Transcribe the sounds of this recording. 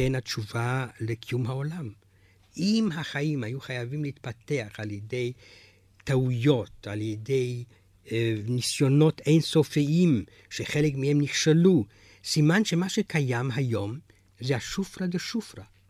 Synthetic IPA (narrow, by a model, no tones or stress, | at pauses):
enat͡ʃuvalekʰijumɦaolam | ʔimɦaχaimhajuχajavimliit̪̚pat̪e̞aχaljede̞j | t̪aujo̞t̪aljede̞j | nisjo̞no̞t̪ejnsofiʔim | ʃeχelekmihemniχʃelu | simanʃe̞maʃekajamɦajo̞m | zehaʃufʁad̪eʃufɾa